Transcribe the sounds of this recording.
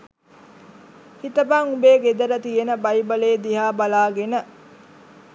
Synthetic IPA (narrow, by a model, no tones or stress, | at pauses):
hit̪əbaŋubeːɡed̪ɐɾət̪ienəbɐjbɐleːd̪iɦaːbɐlaːɡenə